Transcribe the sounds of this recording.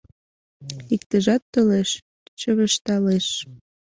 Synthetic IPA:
ik̚t̪əʒɑt̪ːoleʃ | t͡ɕəβəʃt̪ɑleʃ

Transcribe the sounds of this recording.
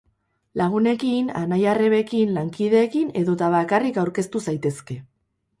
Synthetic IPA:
laɣ̞une̞kina̰najare̞βe̞kinlaŋkiðe̞ːkine̞ðo̞t̪aβakarikawɾke̞st̪usajt̪e̞ske̞

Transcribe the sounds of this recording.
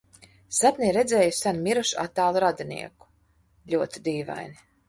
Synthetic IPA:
sat̪nʲiɾɛd̪zɛːjusanmʲiɾuʃa̰t̪ːaːlˠuɾad̪inḭɛku̥ | lʲuɔt̪id̪iːva̰jni

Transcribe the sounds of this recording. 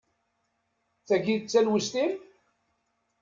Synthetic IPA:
θæʝit͡sːælwəst̪iɾ

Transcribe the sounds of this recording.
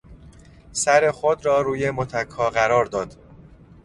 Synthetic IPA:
sæɾe̞xod̪ɾɒːɾuːje̞mot̪ʰækʰhɒːɢæɾɒːɾd̪ɒːd̪̥

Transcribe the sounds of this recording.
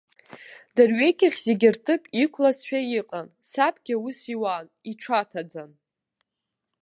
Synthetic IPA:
darɥekʲɪχʲzeɡʲɪrtʰɨpʼikʷʰlasʃᶣaiqʼan | sapʰʼɡʲɪusiwan | iʈ͡ʂʰatʰad͡zan

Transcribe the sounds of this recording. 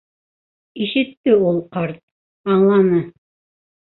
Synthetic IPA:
iʃɘ̆t̪ːɘulˠqɑɾt̪̚ | ɑɴlˠɑnɤ

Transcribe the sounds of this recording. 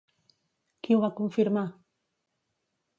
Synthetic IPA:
kiwβakuɱfiɾma

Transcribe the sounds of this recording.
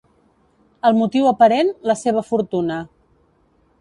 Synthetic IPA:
əlˠmut̪iwəpəɾenləseβ̞əfuɾt̪unə

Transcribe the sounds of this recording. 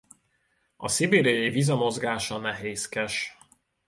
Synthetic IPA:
ɒ̰sibeːɾijɒjivizɒmo̞zɡaːʃɒnɛɦeːskɛʃ

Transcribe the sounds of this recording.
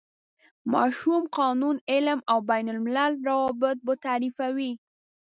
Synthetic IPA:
mɑ̰ʃumqɑnunɪlmawbajnʊlmɪlalɾawɑbɪt̪̚bot̪aɾifawi

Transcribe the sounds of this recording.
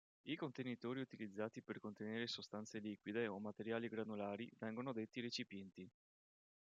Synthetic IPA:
ikont̪enit̪oːɾiut̪ilid̪zːaːt̪iperkont̪eneːɾesost̪ant̪seliːkwid̪eomat̪eɾjaːliɡɾanulaːɾivɛŋɡonod̪et̪ːiɾet͡ʃipjɛnt̪i

